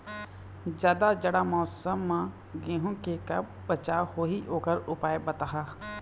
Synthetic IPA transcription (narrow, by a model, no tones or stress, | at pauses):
d͡ʒjaːd̪ad͡ʒəɽamɔːsəmːã | ɡẽːɦõkekɐb | bət͡ʃahoːɦioːkəɾʊpaːebət̪aɦaː